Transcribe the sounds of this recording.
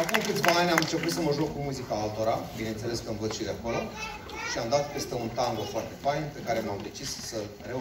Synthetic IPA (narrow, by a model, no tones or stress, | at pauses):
akumkɨt̪sʲvaanʲamɨnt͡ʃe̞put̪səməʒok̚kumuzikaalt̪o̞ɾabine̞nt̪se̞le̞skəɨnvət̪sʃid̪eakolo | ʃiamd̪at̪pe̞st̪e̞unt̪ambofoart̪e̞fajnpe̞kaɾe̞mamd̪e̞t͡ʃissə | re